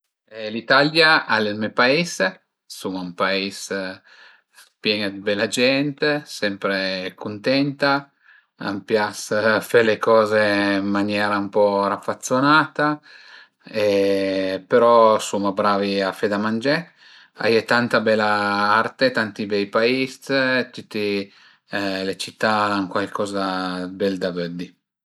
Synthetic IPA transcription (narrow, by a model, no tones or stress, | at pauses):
ɛlit̪aljaʔalelmɛpaes | sumaumpaes | pjɛnad̪ibɛlːad͡ʒɛnt̪esɛmpɾekunt̪ɛnt̪a | a̰mpjasfelekɔːzeimːanjɛːɾaumpɔɾafːat̪sːonaːt̪a | e | peɾɔsomabɾaːviafed̪amand͡ʒɛ | a̰jet̪ant̪abɛlːaart̪et̪ant̪ibɛjpaist̪t̪ut̪ːi | let͡ʃit̪ːaaŋkwalkʰɔːzabɛld̪avød̪i